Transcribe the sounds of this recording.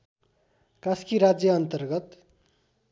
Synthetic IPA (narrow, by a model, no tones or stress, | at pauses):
kaskiɾad͡zjʌʌnt̪ʌrɡʌt̪